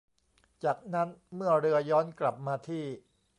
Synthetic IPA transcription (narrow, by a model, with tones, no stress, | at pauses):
t͡ɕaː˨˩k̚na˦˥nmɯ˥˩ɐɾɯ˧ɐjɔː˦˥nkla˨˩p̚maː˧t̪ʰiː˥˩